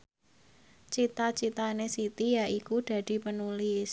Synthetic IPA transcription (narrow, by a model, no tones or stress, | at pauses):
t͡ʃit̪at͡ʃit̪anesit̪ijaʔikud̥ä̤d̥i̤pənulɪs